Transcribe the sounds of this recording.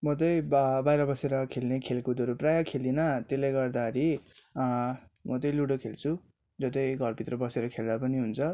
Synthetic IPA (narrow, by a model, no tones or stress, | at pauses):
mʌt̪ʌjbbajɾʌbʌseɾʌkʰelnekʰelkud̪oɾoprajakʰelinʌt̪elajɡʌrd̪aʌɾi | mʌt̪ʌjluɽokʰelt͡sʰu | d͡zʌt̪ʌjɡʱʌrpit̪rʌbʌseɾʌkʰeld̪apʌniɦunt͡sʰʌ